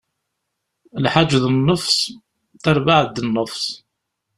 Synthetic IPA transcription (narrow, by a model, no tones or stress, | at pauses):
lħad͡ʒːðənːəfs | θæɾˤvaʕd̪ənːəfs